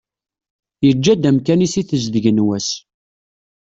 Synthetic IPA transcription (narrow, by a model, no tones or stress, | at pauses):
jəd͡ʒːæd̪æmkænisiθəzðəʝənwæs